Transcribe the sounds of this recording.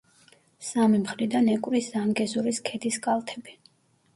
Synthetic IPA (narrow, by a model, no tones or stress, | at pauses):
samimχlid̪anɛkʼwɾiszaŋɡɛzuɾiskʰɛd̪iskʼalˠt̪ʰɛbi